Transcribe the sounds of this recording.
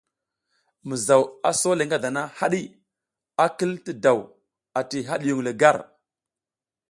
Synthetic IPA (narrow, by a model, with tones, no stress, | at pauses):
mə˨za˨wa˨so˦le˨ŋɡa˦da˨na˦ha˦ɗi˦ | a˦kə˦ltə˦da˨w | a˨ti˨ɦa˦ɗju˨ŋlə˨ɡa˦˨ɾ